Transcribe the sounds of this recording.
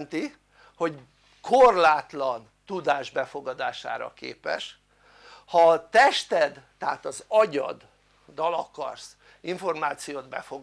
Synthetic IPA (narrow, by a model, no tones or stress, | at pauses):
nt̪i | ho̞ɟ | kʰorlaːt̪lɒn | t̪ud̪aːʒbɛfo̞ɡɒd̪aːʃa̰ːɾɒ̰kḛːpɛ̰ʃ | hɒt̪ɛʃt̪ɛd̪t̪ɛat̪ɒzɒɟɒ̰d̪ː | ɒlɒkɒ̰rs | iɱfo̞rmaːt̪sijoːd̪bɛ̰foɡ